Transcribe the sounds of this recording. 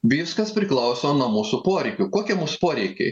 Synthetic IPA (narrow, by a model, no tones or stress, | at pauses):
ʋʲiːskɐspʲɾʲɪklˠɐʊsʲoːnuɔmuːsʊpoːɾʲɛɪkʲʊkoːkʲiɛmuːsʊ̥poːɾʲɛɪkʲɛɪ